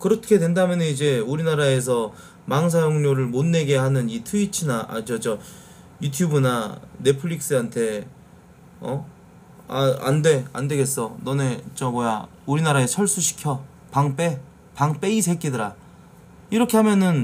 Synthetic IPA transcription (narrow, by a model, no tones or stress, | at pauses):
kɯɾʌtkʰe̞dwe̞ndamjʌnɯnid͡ʑe̞uɾinaɾae̞sʰʌ | maŋs̬ʰajoŋɲoɾɯɭmonːe̞ɡe̞hanɯnitʰuit͡ɕʰɯnaʔa̰d͡ʑʌd͡ʑʌ | jutʰjubɯnane̞pʰɯʎːik̚s͈ɯɦantʰe̞ | ʌ̰ | a̰a̰nde̞a̰nde̞ɡe̞s͈ʌnʌne̞t͡ɕʌmʌja̰ | uɾinaɾaet͡ɕʰʌɭs͈uɕʰi̥kʰjʌ | paŋp͈e̞ | paŋp͈e̞isʰe̞k͈idɯɾa | iɾʌkʰe̞ɦamjʌnɯn